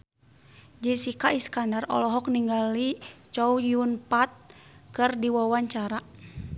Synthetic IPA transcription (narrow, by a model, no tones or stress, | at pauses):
d͡ʒɛsikaiskandarɔ̰lɔɦɔk̚niŋɡalit͡ʃɔujunpat̪̚kɨrdiwawaɲt͡ʃaɾa